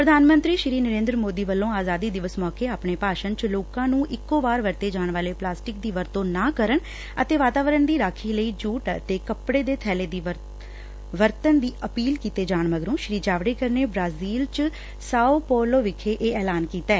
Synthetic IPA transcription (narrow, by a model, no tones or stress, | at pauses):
pɾəd̪ʱaːnmə̃nt̪ɾiːʃɾiːnəɾẽːnd̪ɾmoːd̪iːʋəlːõːaːzaːd̪iːd̪ɪʋəsmɔːkeːaːpɳeːpaːʃənt͡ʃloːkãːnũːʔɪkːoːbaːɾʋəɾt̪eːd͡ʒaːɳʋaːleːplaːsʈɪk̚d̪iːʋəɾt̪õːnaːkəɾəɳ | ə̰t̪eːʋaːt̪aːʋəɾəɳd̪iːɾaːkʰiːləiːd͡ʒuːʈt̪eːkəpɽeːd̪eːt̪ʰɛːleːd̪iː | ʋəɾt̪ənd̪iːʔəpiːlkiːt̪eːd͡ʒaːɳməɡɾõːʃɾiːd͡ʒaːʋɽeːkəɾneːbɾaːziːlt͡ʃ | saːopɔːloːʋɪkʰːeːʔeːɛːlaːnkiːt̪ɛː